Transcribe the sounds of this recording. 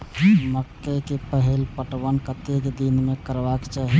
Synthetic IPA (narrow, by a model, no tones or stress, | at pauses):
məkːekepəɦelpəʈʋənkət̪ekd̪inmekəɾbakt͡ʃaɦi